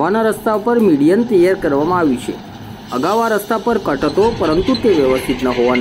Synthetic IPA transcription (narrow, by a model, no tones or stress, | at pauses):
ʋanaɾəst̪aupəɾmiɽijənt̪əjaɾkəɾʋamãaʋit͡ʃʰḛ | əɡaʋaɾəst̪apəɾkəʈt̪opəɾənt̪ut̪eʋjəʋəst̪ʰit̪nəɦoʋan